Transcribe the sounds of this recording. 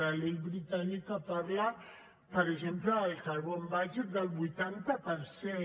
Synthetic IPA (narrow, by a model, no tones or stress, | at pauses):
ɾalelβɾit̪anikapaɾla | pəɾəʒempləːlsaɾβombaʒet̪̚d̪əlˠβujt̪ant̪apəɾse